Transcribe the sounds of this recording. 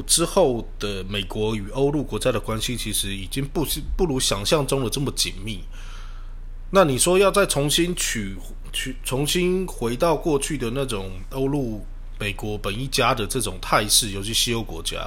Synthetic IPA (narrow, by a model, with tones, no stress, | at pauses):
ʈ͡ʂɻ̩˥xo˥˩ʊd̪̥ə˩me˨˩ɪkwɔ˧˥y˨˩o˥ʊlu˥˩kwɔ˧˥t͡ɕja˥ɾə˨kwa˥nɕi˧t͡ɕʰi˧˥ʂɻ̩˧˥i˨˩t͡ɕi˥ŋpu˥˩ɕpu˥˩lu˧˥ɕjɑ˨˩ŋɕjɑ˥˩ŋʈ͡ʂʊ˥ŋlə˨ʈ͡ʂə˥˩mə˩t͡ɕḭ˨˩nmi˥˩ | na˥˩ni˨˩ʂwɔ˥jɑ˥˧ʊt͡sa˥˩ɪt͡sʰʊ˧˥ŋɕi˥nt͡ɕʰy˨˩ | t͡ɕʰy˨˩t͡sʰʊ˧˥ŋɕi˥nxwe˧˥ɪt̪ɑ˥˧ʊkwɔ˥˧t͡ɕʰy˥˩d̪ə˩na˥˩ʈ͡ʂʊ˨˩ŋ | o˥ʊlu˥˩ | me˨˩ɪkwɔ˧˥pə˨˩ni˥˩t͡ɕja˥d̪ə˨ʈ͡ʂɤ˥˩ʈ͡ʂʊ˨˩ŋt̪ʰa˥˧ɪʂɻ̩˥˩jo˧˩ʊt͡ɕʰy˧˥ɕi˥jo˥ʊkwɔ̰˧˥t͡ɕja̰˥